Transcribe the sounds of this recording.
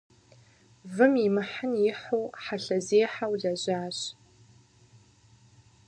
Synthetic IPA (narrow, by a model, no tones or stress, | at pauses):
vɨmimɨħanjɪħuwħaɬɐzeːħawɮɐʑaːɕ